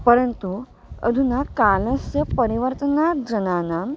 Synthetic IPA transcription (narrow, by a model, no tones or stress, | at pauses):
pəɾənt̪u | ə̰d̪ʱunakalə̃sjəpəɾiʋəɾt̪ənad͡zənanam